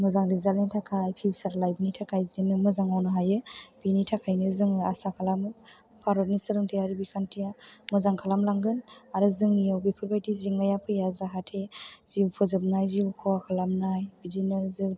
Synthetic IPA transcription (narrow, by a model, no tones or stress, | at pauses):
mɯzaŋɾizalitʰakʰajpʰibsaɾlajbnitʰakʰajzinɯmɯzaŋawnɯɦajɯbinitʰakʰajnɯzɯŋɯasakʰalamɯ | pʰaɾɔt̚nisɯɾɯŋtʰeaɾibikʰantʰijamɯzaŋkʰalamlaŋɡɯnaɾɯzɯŋnijawbipʰɯɾbajtiziŋnajapʰɯjazaɦatʰez̥iwpʰɯzɯb̚najziwkʰuwakʰalamnajbizinɯzɯ